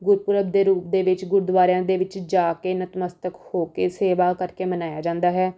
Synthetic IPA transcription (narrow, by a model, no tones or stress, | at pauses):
ɡʊɾpʊɾəb̚d̪eːɾuːp̚d̪eːʋɪt͡ʃɡʊɾd̪ʋaːɾejãːd̪eːʋɪt͡ʃd͡ʒaːkeːnət̪məst̪əkhoːkeːseːʋaːkəɾkeːmənaːjaːd͡ʒãːnd̪aːɦɛː